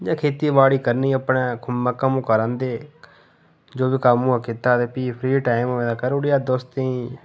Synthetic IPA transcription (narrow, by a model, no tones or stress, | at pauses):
d͡ʒãːkʰeːt̪iːbaːɽiːkəɾniːəpɳeːkʰʊmːãːkəmũːkəɾãːnd̪eː | d͡ʒoːbiːkamũːkɪt̪aːd̪eːpiːpʰɾiːʈaːɪmːẽːd̪aːkəɾʊɽɪaːd̪ost̪ĩː